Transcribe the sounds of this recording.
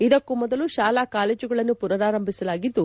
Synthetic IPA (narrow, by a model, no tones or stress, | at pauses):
id̪ɐkːumɔd̪ɐluʃaːlaːkaːleːd͡ʒuɡɐɭɐnːupuɾɐɾaːɾɐmbʱisɐlaːɡid̪ːu